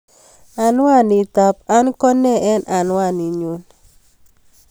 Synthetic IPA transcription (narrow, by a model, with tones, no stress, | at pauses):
a˨nwa˦˨ni˨t̪a˨p̚a˦nkɔ˦nɛ˦˨ɛ˦nʔa˨nwa˦˨ni˨ɲu˨˦n